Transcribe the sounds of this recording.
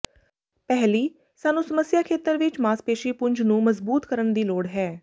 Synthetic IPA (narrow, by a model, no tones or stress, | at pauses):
pɛɦliː | saːnũːsəməsjaːkʰeːt̪əɾʋɪt͡ʃmaːspeːʃiːpʊɲd͡ʒnũːməzbuːt̪kəɾəɳd̪iːloːɽɦɛː